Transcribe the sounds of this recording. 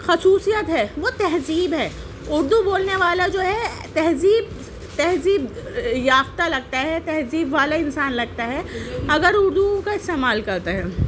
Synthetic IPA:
xɐsuːsijət̪ɦɛːʋot̪ɛɦziːbɦɛː | ʊɾd̪uboːlneʋaːlad͡ʒoːɦɛ | t̪ɛɦziːb | t̪ɛɦziːbjaːft̪alɐɡ̚t̪aɦɛt̪ɛɦziːbʋaːlaɪnsaːnlɐɡ̚t̪aɦɛɐɡəɾʊɾd̪ukaɪst̪eːmaːlkɐɾt̪aɦɛː

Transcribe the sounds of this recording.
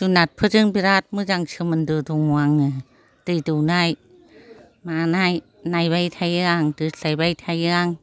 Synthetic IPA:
t̪unat̪̚pʰɯt͡ɕɯŋpiɾat̪̚mɯt͡ɕaŋt͡ʃʰɯmand̪ut̪uŋwaŋɯ | t̪ɯt̪unaj | maːnaj | najbajt̪ʰajɯaŋt̪ɯsajbajt̪ʰajŋ

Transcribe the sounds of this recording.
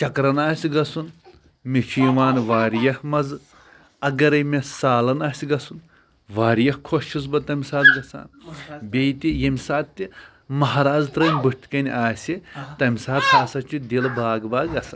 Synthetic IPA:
t͡ʃɐkɾɐnaːsʲiɡɐsun | met͡ʃʰujiʋaːnʋaːɾjɐhmɐz | ɐɡɐɾɐjmesaːlɐnaːsʲiɡɐsun | ʋaːɾjɐhkʰoʃʰizbɐt̪ɐmʲisaːt̪ɡɐsa̰ːnbʲejt̪ʲijɐmʲisaːt̪t̪ʲːi | mɐɦɾaːd͡zt̪ɾɐnʲbɨʈt̪ʲkɐnʲaːsʲit̪ɐmʲisaːt̪̚sʰaːsɐt͡ʃʰud̪ʲilbaːɡbaːɡɡɐsɐ̰n

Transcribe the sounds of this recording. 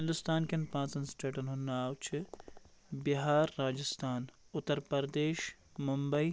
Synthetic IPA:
ɪ̃nd̪ʊst̪aːnkenpãːt͡sɐnsʈeːʈɐnɦʊnːaːwt͡ʃʰɨ | biɦaːɾːaːd͡ʒɪst̪ʰaːn | ʊt̪ːəɾpɐɾd̪eːʃ | mʊmbɐi

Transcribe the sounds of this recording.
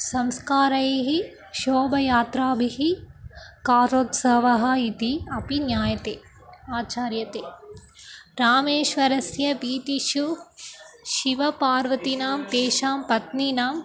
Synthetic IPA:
sɐmskaːɾɐjɦi | ʃoːbɐjaːt̪ɾaːbʱiɦi | kaːɾoːt̪sɐʋɐɦɐ̆it̪iɐpinjaːjɐt̪eː | aːt͡ʃaːɾjɐt̪eː | ɾaːmeːʃʋɐɾɐsjɐʋiːt̪iʃu | ʃiʋɐpaːɾʋɐt̪inaːmt̪eːʃaːmpɐt̪ninaːm

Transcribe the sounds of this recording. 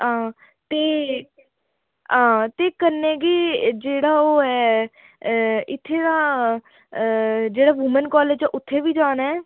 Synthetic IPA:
ãː | t̪eː | ãːt̪eːkəɾnẽːɡiːd͡ʒeːɽaːoːɛː | ɪt̪ʰːeːd̪aː | d͡ʒeːɽaːʋʊmənkɔːleːd͡ʒɛːʔʊt̪ʰːeːʋiːd͡ʒaːnɛɛː

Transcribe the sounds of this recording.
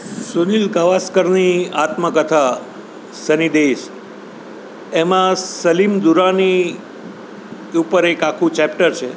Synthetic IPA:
sunilkaʋaskəɾniat̪məkət̪ʰa | sənid̪eʃ | emãsəlimd̪uɾani | upəɾekakʰũt͡ʃɛpʈəɾt͡ʃʰe

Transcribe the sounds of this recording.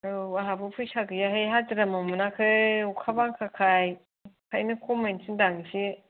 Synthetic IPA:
ɯwaɦabɯpʰujsaɡɯjaɦɯjɦatɯɾamamɯnakʰɯukʰabaŋkʰakʰaj | kʰajnɯkʰomejnsʰɯndaŋisi

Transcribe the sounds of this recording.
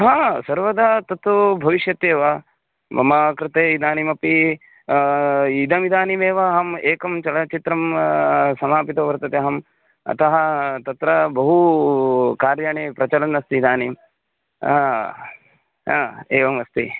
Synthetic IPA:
ɦaːsɐɾʋɐd̪aːt̪ɐt̪ʋubʱɐʋiʃjɐt̪eːʋɐ | mɐ̰makɾɪt̪eːid̪aːnimɐpi | id̪ɐmid̪aːnimeːʋɐɦɐmeːkɐmt͡ʃɐlɐt͡ʃit̪ɾɐm | sɐmaːpit̪ɐːʋɐɾt̪ɐt̪eɦɐm | ɐ̰t̪ɐɦɐt̪ɐt̪ɾɐbɐɦu | kaːɾjaɳeːpɾɐt͡ʃɐlɐnɐst̪iːd̪aːnim | a | ɦaːeːʋɐmɐst̪i

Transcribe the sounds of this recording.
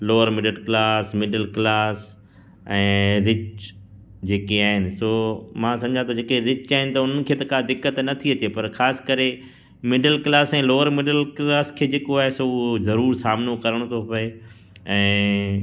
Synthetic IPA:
loːəɾmɪɖəlklaːsmɪɖəlklaːs | ɛ̃ːɾɪt͡ʃ | d͡ʑeːkeaːɦɪnɪ̆soːmãsɐ̃md͡ʑʱãt̪ʰɐd͡ʑeːkeɾɪt͡ɕaːɦɪnɪ̆t̪ɐʊn̤ən̆kʰeːt̪ɐkad̪ɪkːət̪nɐt̪ʰiɐt͡ɕepɐɾxaːskɐɾe | mɪɖəlklaːsɛ̃ːloːəɾmɪɖəlklaːskʰeːd͡ʑeːkoaːɦesoːʊozɐɾuːɾsaːmnokɐɾəɽ̃t̪ʰopɐe | ɛ̃ː

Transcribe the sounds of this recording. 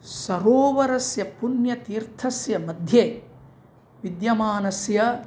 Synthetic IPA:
sɐɾoːʋɐɾɐsjɐpunjɐt̪iːɾt̪ʰɐsjɐmɐd̪ʱjeː | ʋid̪jɐmaːnɐsjɐ

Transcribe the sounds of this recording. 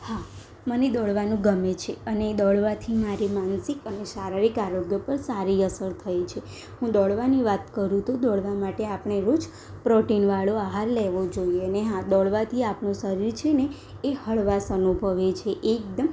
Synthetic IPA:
ha | məned̪ɔɭʋanũɡəmet͡ʃʰeəneːd̪ɔɭʋat̪ʰimaɾimansikəneʃaɾaɾikaɾoɡjəpəɾsaɾiəsəɾt̪ʰəjt͡ʃʰe | ɦũd̪ɔɭʋaniʋat̪kəɾũt̪od̪ɔɭʋamaʈeapɳ̃eɾot͡ʃʰ | pɾɔʈinʋaɭoaɦaɾleʋod͡ʒoieəneɦãd̪ɔɭʋat̪ʰiapɳũsəɾiɾt͡ʃʰeneː | həɭʋasənubʱəʋet͡ʃʰeʔek̚d̪əm

